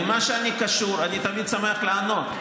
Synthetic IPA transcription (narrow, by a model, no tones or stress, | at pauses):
maʃeanikaʃuɾanit̪amid̪̚sameaχleano̞n